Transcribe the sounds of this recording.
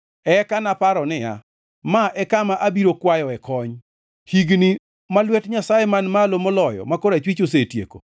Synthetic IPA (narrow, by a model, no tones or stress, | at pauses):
ɛkanapaɾɔnɪja̰ | maʔɛkamaʔabiɾokwajɔɛkɔɲ | hiɡni | malwɛtɲasajɛmanmalomolɔjɔ̰makoɾat͡ʃwit͡ʃosetjḛko̰